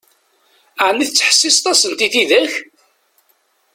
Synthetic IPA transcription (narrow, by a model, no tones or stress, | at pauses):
aʕnːiθət͡sːħə̥sːist̪ˤɑsənt̪iθiðæç